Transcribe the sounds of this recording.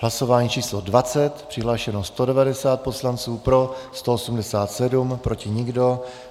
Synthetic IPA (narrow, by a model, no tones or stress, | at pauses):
ɦlaso̞vaːɲiːt͡ʃiːslo̞dvat͡sɛt̪pr̥ɪɦlaːʃɛnost̪o̞dɛvadɛsaːt̪̚po̞slant͡suːpɾo̞st̪o̞osumdɛsaːt̪sɛdumpɾo̞cɪɲɪɡdo̞